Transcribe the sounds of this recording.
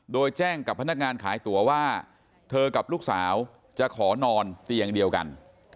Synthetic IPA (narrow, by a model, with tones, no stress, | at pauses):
doː˧jt͡ɕɛː˥˩ŋka˨˩pʰːa˧na˥˩k̚ŋaː˧nkʰaː˩˦jt̪u˩˦ɐwaː˥˩ | t̪ʰɤː˧ka˨˩p̚luː˥˩k̚saː˩˦w | t͡ɕa˨˩ʔkʰɔː˩˦nɔː˧nt̪i˧əŋdi˧əwka̰˧n